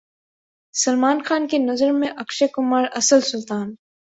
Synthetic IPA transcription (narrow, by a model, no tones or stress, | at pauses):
sɐlmaːnxaːnkenɐzəɾmẽʔɐkʃekʊmaːɾɐsəlsʊlt̪aːn